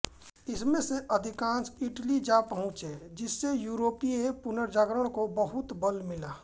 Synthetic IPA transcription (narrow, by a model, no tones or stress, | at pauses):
ɪsmẽseʔəd̪ʱɪkãːnsɪʈlid͡ʒapəɦʊ̃t͡ʃed͡ʒɪsːejuːɾoːpiepʊnəɾd͡ʒaːɡɾəɽ̃kobəɦʊt̪bəlmɪlaː